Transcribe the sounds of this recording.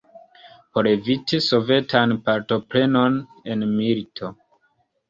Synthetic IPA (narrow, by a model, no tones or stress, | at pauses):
poɾevitiso̞ve̞tʰanpaɾto̞pɾe̞no̞n | e̞nmilitʰo̞